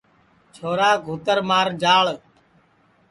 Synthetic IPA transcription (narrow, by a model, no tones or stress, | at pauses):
t͡ʃʰoːɾaːɡʱuːt̪əɾmaːɾd͡ʒaːɭ